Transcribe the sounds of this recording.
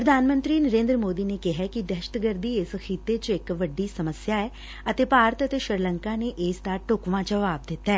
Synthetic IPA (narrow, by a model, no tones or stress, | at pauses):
pɾəd̪ʱaːnmə̃nt̪ɾiːnəɾẽːnd̪ɾəmoːd̪iːneːkɪɦɛːkɪd̪ɛʃə̥t̪ɡəɾd̪iːɪsəxʰiːt̪eːt͡ʃɪkʋəɖːiːsəməsjaːɛː | ət̪eːpaːɾət̪ət̪eːʃɪɾləŋkaːneːʔɪːst̪aːʈʊkʋãːd͡ʒəʋaːb̚d̪ɪt̪ːaɛː